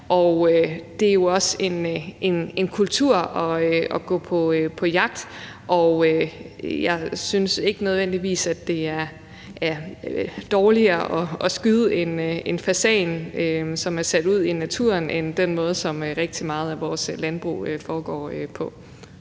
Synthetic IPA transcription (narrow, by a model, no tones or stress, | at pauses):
ʔɒʊød̥e̝æjo̝ɒ̽se̝nʔe̝ne̝nkʰult͡sʰuɐ̰ɒ̽ɒ̽ɡ̥ɔ̰̽ːpʰɒ̽pʰɒ̽jɑ̈ɡ̥̚d̥ | ʔɒʊøjɑ̈ɪsynse̝ɡ̥ənøð̞ˠʋen̰d̥iʋḭːsæd̥e̝æɐ | æ | d̥ɒːliɐʔɒ̽ɒ̽sɡ̥yðˠəe̝ne̝nfæsɛ̰ɪnøsɒ̽mæɐsæd̥uð̞̰ˠinæt͡sʰṵɐ̰nʔend̥enmɔ̽ːð̞̩ˠsɒ̽møʁeɡ̥̚d̥imɑ̈ːð̞̩ˠæʋɒːslænb̥ʁṵːøfɒːɡ̥ɒ̰ːøpʰɒ̽